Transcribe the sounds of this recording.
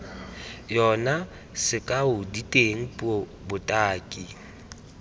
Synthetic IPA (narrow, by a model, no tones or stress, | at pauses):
jɔna | sɪkʼaʊditʼeŋ̩pʼo | bʊtʼaːkʼi